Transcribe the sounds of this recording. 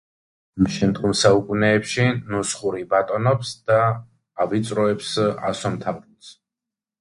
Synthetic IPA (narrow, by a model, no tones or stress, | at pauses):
mʃɛnt̪χumsaukʼunɛːpʃinusχuɾibat̪ʼɔnɔpsd̪̥aː | vit̪sʼɾɔɛpsa̰sɔmt̪ʰavt̪s